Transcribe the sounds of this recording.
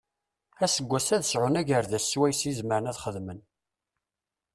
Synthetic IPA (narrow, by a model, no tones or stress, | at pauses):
æsəɡʷːæsæðəsʕʊnæʝəɾðæswæjsjizməɾənæðχəðmən